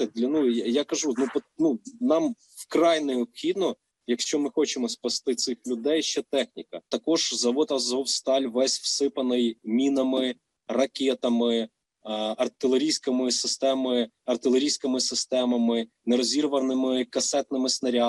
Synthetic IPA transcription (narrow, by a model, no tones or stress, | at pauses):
d̪lʲɐnujakɐʒunupɔnunɑm | wkɾɑjnɛɔpxʲid̪nɔ | jɐkʃt͡ʃɔmɪxɔt͡ʃɪmɔspɐst̪ɪt̪sɪxlʲʊd̪ɛjʃt͡ʃɛt̪ɛxnʲikɐt̪ɐkɔʒzɐʋɔt̪ɐzɔwst̪ɑlʲʋɛsʲwsɪpɐnɪjmʲinɐmɪ | rɐkʲet̪ɐmɪ | ɐrt̪ɪlˠeɾʲijsʲkɐmɪsɪst̪ɛmɪ | ɐrt̪ɪlˠeɾʲijsʲkɪmɪsɪst̪ɛmɐmɪ | neɾɔzʲiɾʋɐnɪmɪkɐsɛt̪nɪmɪsnɐɾʲɑ